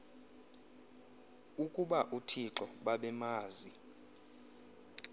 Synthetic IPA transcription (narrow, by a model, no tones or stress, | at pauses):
ukʼuɓaʔutʰiǁɔɓaɓɛmaːzi